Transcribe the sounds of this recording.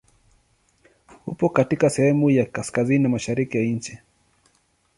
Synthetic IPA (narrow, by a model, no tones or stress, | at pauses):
hṵpɔkatikasɛhɛmujakaskazininamaʃaɾikijaɲ̩t͡ʃi